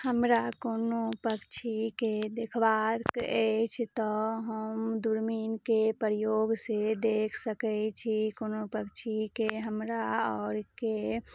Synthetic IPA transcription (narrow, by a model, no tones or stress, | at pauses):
həmɾakoːnopəkt͡ʃʰiked̪ekʰbaɾkɛt͡ʃʰt̪ɔɦəmd̪uɾminkepəɾjoːɡsed̪eːkʰsəkɛt͡ʃʰikoːnopəkt͡ʃʰikeɦəmɾaɔːɾke